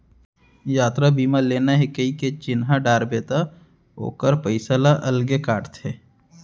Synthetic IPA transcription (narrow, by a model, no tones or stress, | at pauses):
jaːt̪ɾabiːmaleːnaɦɪkəiket͡ʃɪnɦaɖaːɾbeːt̪a | ɦo̰ːkəɾpəɪsalaʔɐlɡekaːʈt̪ʰeː